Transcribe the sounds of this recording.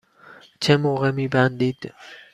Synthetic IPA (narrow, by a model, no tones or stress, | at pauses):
t͡ʃʰemoʁɛmibænd̪id̪̥